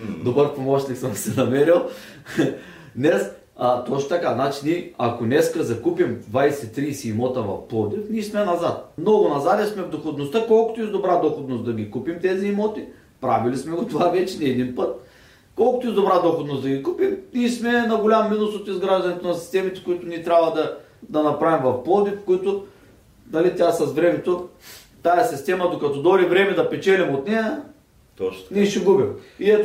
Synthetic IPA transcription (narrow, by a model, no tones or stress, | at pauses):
d̪obəɾpomɔt͡ʃniksəmsɛnɐmɛɾilˠ | d̪nɛs | ət̪ɔt͡ʃnot̪ɐkaznat͡ʃiniɐkonɛskəzɐkupimd̪vajsɛt̪ːɾiːsiːmɔt̪ɐvɐ̰fplˠɔd̪ifnismɛnɐzat̪̚mnɔɡʊnɐzad̪ɛsmɛvd̪oxod̪nost̪əkɔlˠkʊ̥t̪ʊizd̪obɾad̪oxod̪nosd̪ɐɡʲikupimt̪ɛziːmɔt̪i | pɾavilismɛɡot̪ovavɛt͡ʃɛniɛd̪inpət̪ | kɔlˠkʊt̪oizd̪obɾad̪oxod̪nosd̪ɐɡʲikupimnʲismɛnɐɡolʲamːinʊsot̪izɡɾaʒd̪ɐnɛt̪onɐsi̥st̪ɛmit̪ɛ̥kʊit̪ʊnʲit̪ɾʲabvɐd̪ɐ | d̪ɐnɐpɾavimvɐfpɔd̪ipo̥kʊit̪ʊ | nɐlit̪ʲasɐzvɾɛmɛt̪o | t̪ajɐsist̪ɛmɐd̪okɐt̪ɔd̪ɔɾivɾɛmɛd̪ɐpɛt͡ʃɛlɛmot̪nɛjɐ | nɛʃɛɡubimiɛt̪